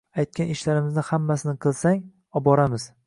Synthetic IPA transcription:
ajt̪̚kʲanɪʃlaɾɪmɪznɪhamːasɪnɪqʰɨlˠsaŋ | ɒbɒɾamɪz̥

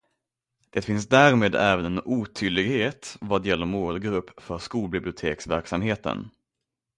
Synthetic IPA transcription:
d̪̥ɛt̪fɪnsd̪æːɾmeːd̪ɛːvənɛnuːt̪ʰyːlːɪɡheːt̪vad̪jɛlːəɾmoːlɡɾɵpːfœɾʂkuːlbɪblɪʊt̪ʰeːksvæɾksamheːt̪ə̰n

